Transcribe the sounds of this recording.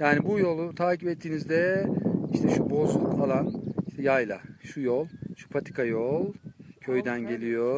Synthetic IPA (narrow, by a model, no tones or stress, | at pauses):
jaːnibujo̞lˠut̪ʰaːcipɛt̪ʰːiːnizd̪ɛiʃt̪ʰɛʃubo̞zlˠukalˠaniʃt̪ʰɛjajlˠa̰ʃujolˠʃu̥pʰat̪ʰi̥kʰajolˠcʰø̞jd̪ænɟe̞lʲijo